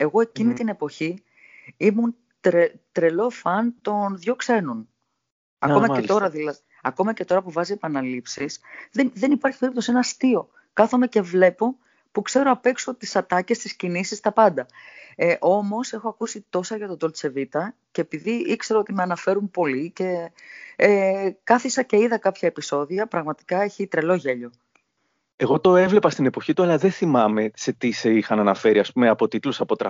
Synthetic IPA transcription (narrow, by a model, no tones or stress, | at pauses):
e̞ɣo̞e̞cinit̪ine̞po̞çi | imun | t̪ɾet̪ɾe̞lo̞fɐnt̪o̞nðʝo̞kse̞nun | ɐ̰komɐet̪o̞ɾɐðilɐ | ɐko̞mɐce̞t̪o̞ɾɐpuvɐzie̞pɐnɐlipsisðenðe̞nipɐɾçi̥peipt̪ose̞nɐst̪io̞ | kɐθo̞me̞ce̞vle̞po̞ | pukse̞ɾoɐpe̞kso̞t̪isɐt̪ɐce̞st̪iscinisist̪ɐpɐnd̪ɐ | ʔo̞mo̞sexo̞ɐkusit̪o̞sɐʝɐt̪od̪o̞lt͡se̞vit̪ɐceːpiðiikse̞ɾoot̪imeɐnɐfeɾumpo̞lice̞ | kɐθisɐce̞iðɐkɐpçɐepiso̞ðiɐpɾɐɣmɐt̪i̥kɐeçit̪ɾe̞lo̞ʝe̞ʎo̞ | e̞ɣo̞t̪o̞e̞vle̞pɐst̪ine̞po̞çit̪uɐlɐðenθimɐme̞se̞t̪iseixɐnɐnɐfe̞ɾiɐspume̞ɐpo̞t̪it̪lusɐpo̞t̪ɾɐ̰